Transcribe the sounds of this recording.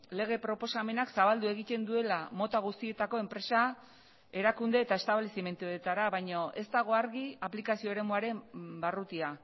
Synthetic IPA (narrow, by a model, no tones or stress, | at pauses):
le̞ɣ̞e̞pɾo̞po̞same̞naksaβald̪ueɣ̞it̪e̞nd̪ue̞lamo̞t̪aɣ̞ust̪ie̞t̪ako̞e̞mpɾe̞sa | e̞ɾakund̪e̞ːt̪ae̞st̪aβle̞sime̞nt̪uet̪aɾaβajɲoʔe̞st̪aɣ̞o̞aɾɣiaplikasio̞eɾe̞muaɾe̞mbarut̪ia